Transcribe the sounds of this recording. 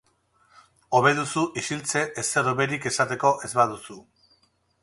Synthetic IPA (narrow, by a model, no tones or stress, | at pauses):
o̞βe̞ðusuʔisilt͡se̞ʔese̞roβe̞ɾike̞sat̪e̞ko̞ʔe̞zβaðusu